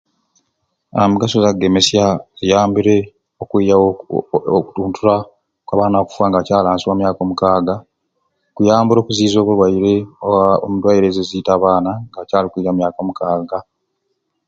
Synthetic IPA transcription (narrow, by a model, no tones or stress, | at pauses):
amuɡasozaɡeme̞sjazijaːmbiɾe̞ | okja | utuːntʰuɾa | kwaβaːnaku̥fwaːŋɡacaːlaːnsiwaːmjaːko̞ːmukaːɡa | kujaːmbuɾo̞ːkuziːzo̞ːkulwajiɾe̞oaomudwajiɾezeziːtaːβaːnaŋɡacaːlikuiɾamjaːkomukaːɡa